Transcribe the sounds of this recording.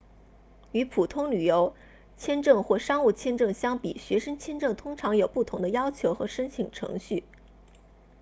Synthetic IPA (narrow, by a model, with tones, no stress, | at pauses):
y˧˥pʰu˨˩t̪ʰʊ˥ŋly˨˩jo˧˥ʊ | t͡ɕʰjɛ˥nʈ͡ʂɤ˥˧ŋxwɔ˥˩ʂɑ˥ŋu˥˩t͡ɕʰjɛ˥nʈ͡ʂɤ˥˩ŋɕjɑ˥ŋpi˨˩ɕɥɛ˧˥ʂɤ˥ŋt͡ɕʰjɛ˥˧nʈ͡ʂɤ˥˩ŋt̪ʰʊ˥ŋʈ͡ʂʰɑ˧˥ŋjo˨˩ʊpu˥˩t̪ʰʊ˧˥ŋd̪ə˧jɑ˥ʊt͡ɕʰjo˧˥ʊxɤ̰˧˥ʂə˥nt͡ɕʰi˨˩ŋʈ͡ʂʰɤ̰˧˥ŋɕy˥˩